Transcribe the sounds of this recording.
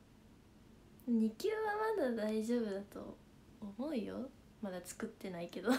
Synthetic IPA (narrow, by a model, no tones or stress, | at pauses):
ɲ̟ikʲɨːβamad̪ad̪aiʑo̞ːbɯ̟d̪at̪o̞̰ː | mo̞ɯ̟jo̞̰ | mad̪at͡sɨ̥kɯ̟t̪ːe̞naike̞d̪o